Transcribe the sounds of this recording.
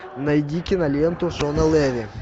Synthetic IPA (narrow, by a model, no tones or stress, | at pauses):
nɐjd̪ʲikʲɪnɐlʲent̪ʊsonɐlˠɛʋʲɪ